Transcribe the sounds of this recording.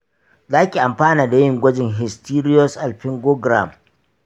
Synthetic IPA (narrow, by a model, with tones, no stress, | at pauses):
zaː˦kʲi˨ʔa˨mɸaː˦naː˨da˨jɪ˦ŋɡʷɐ˦d͡ʒɪ˨ŋɦɪ˨stiː˦ɾɪ˦ɔ˦sʔa˨lɸɪ˦ŋɡoː˦ɡɾa̰˨m